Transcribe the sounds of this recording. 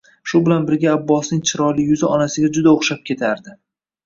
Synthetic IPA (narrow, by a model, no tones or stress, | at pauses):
ʃʊbɪlanbɪɾɡʲaːbːɒsnɪŋt͡ʃʰɪɾɒlɪjʊzɪɒnasɪɡʲad͡ʒʊd̪aoχʃap̚kʲʰe̞t̪ʰaɾd̪ɪ